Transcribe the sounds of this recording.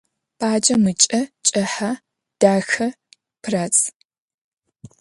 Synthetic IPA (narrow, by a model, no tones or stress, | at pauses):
pʰaːd͡ʒʼɐmɨt͡ʃʼɐt͡ʃʼɐħa | d̥aːxɐ | pʰrat͡sʼ